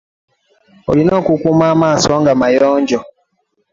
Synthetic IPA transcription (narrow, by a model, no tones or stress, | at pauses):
o̰linɔkʷukʷumamasɔŋɡamajɔn̩d͡ʒɔ